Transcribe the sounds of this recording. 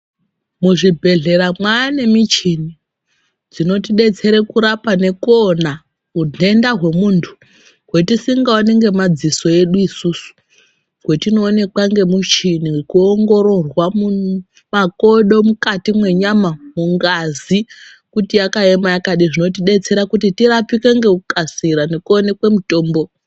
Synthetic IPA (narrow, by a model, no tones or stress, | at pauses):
muʐibʱe̞ɮe̞ɾamwaane̞mit͡ʃini | d͡zino̞tiɗe̞t͡se̞ɾekuɾapane̞kona | munʱe̞ndaɦwe̞muːntʰu̥ | ɦwe̞tisiŋɡaone̞ŋɡe̞mad͡ziso̞e̞ɗuisusu̥ | ɦwe̞tino̞ːne̞kwaŋɡe̞mut͡ʃinikuoŋɡo̞ɾo̞rwamu | mako̞ɗo̞mukatimwe̞ɲamamuŋɡazi | kutijakaemajakaɗiʐino̞t̬iɗe̞t͡se̞ɾakutitirapikeŋɡe̞ukasiɾane̞kuone̞kwe̞muto̞ːmbo̞